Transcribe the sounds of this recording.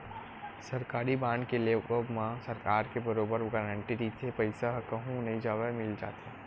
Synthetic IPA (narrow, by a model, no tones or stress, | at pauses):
sɐɾkaːɾibãːnkeleobmãsɐɾkaːɾkebəɾoːbəɾɡəɾəɳʈiɾiːt̪ʰepɐɪsaɦkɐɦũnɐɦĩd͡ʒaːʋemɪld͡ʒa̰ːt̪eː